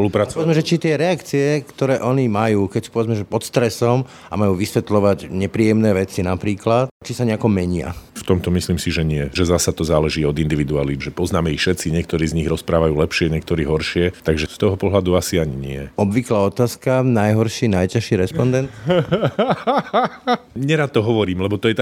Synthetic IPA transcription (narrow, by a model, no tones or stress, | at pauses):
pɔlupɾaːt͡sɔʋɛd͡zmɛʒɛt͡ʃit̪ɪɛɾɛakt͡siɛkt̪ɔɾɛːʔɔɲimajuːkɛcsi̥pɔʋɛd͡zmɛʒɛpɔt̪st̪ɾɛsɔm | a̰majuːʋisʋɛt̪lɔʋaɟɲɛpɾiːjɛmnɛːʋɛt͡sinapɾiːklat̪t͡ʃisaɲɛakɔmɛɲɪa̰ft̪ɔmt̪ɔmisliːmsiʒɛɲɪɛʒɛzasat̪ɔzaːlɛʒiːɔd̪ind̪iʋid̪uaːliʒɛpɔznaːmɛixʃɛt̪t͡siɲɪɛkt̪ɔɾiːzɲiɣɾɔspɾaːʋajuːlɛpʃɪɛɲɛkt̪ɔɾiːɦɔɾʃɪɛt̪aɡʒɛst̪ɔɦɔpɔɦlad̪uasiaɲiɲɪ̰ɛ̰ɔbʋiklaːɔt̪aːskanajɦɔɾʃinajcaʃiɾɛspɔnd̪ɛnt̪ | ɲɛɾat̪̚ːɔɦɔʋɔɾiːmlɛbɔt̪ɔjɛt̪a